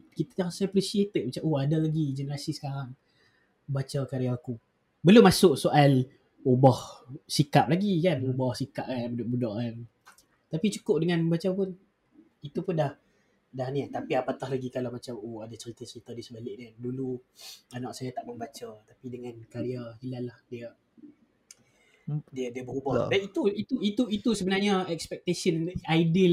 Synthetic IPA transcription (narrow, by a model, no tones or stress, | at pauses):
kit̪ajahsaaplisiet̪ət̪̚mat͡ʃamʔoadalaɡid͡ʒənəɾasisə̥kaɾaŋ | bat͡ʃakaɾiaku | bəlumasʊʔsoʔal | ubɔhsikap̚laɡikanubɔhsikaʔ̚kanbudɔʔbudɔʔkan | t̪apit͡ʃu̥kʊp̚dəŋanməmbat͡ʃapʊn | it̪upʊndah | dahniat̪apiapat̪ahlaɡikalawmat͡ʃamoadat͡ʃəɾit̪at͡ʃəɾit̪adisəbalɪʔ̚niduluanaʔsajat̪aʔməmbat͡ʃat̪apidəŋãnkaɾiailanlahdia | diadiabəɾubɔhbait̪uit̪uit̪uit̪usəbənarɲəɛkspɛk̚t̪esənajdi